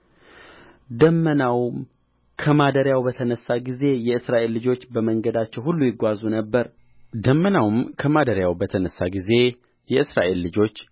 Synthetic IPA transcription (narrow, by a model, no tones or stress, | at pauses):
d̪əmːənawm | kʰəmad̪əɾjawbət̪ʰənəsːaɡize̞jɛɨsɾaʔe̞lːɨd͡ʒo̞t͡ʃːbəməŋɡəd̪at͡ʃːɛwhulːujɪɡʷazunəbːəɾ | d̪əmːənawmkʰəmad̪əɾjawbət̪ʰənəsːaɡize̞ | jɛɨsɾa̰ʔe̞lːɨd͡ʒo̞t͡ʃː